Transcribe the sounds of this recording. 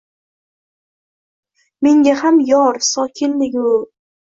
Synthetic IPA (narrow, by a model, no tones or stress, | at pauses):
meŋɡʲahamjɒɾsɒkʲʰɪnlɪɡʲʊ